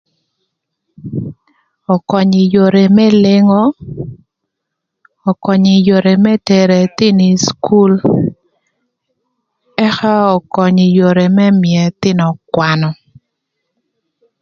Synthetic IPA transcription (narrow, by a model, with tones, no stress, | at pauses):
ɔ˨kɔ˨ɲɪ˨jo˨ɾe˨mɛ˦le˦ŋɔ˦ | ɔ˨kɔ˨ɲɪ˨jo˨ɾe˨mɛ˦tɛ˨ɾe˨t̪ɪ˦ni˨sku˦l | ɛ˦xa˦ɔ˨kɔ˨ɲɪ˨jo˨ɾe˨mɛ˦mjɛ˨t̪ɪ˦nɔ˨kwa˨nɔ˨